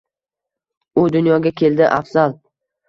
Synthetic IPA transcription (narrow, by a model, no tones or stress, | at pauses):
ʊd̪ʊnjɒɡʲakʲʰe̞ld̪ɪʔafz̥alˠ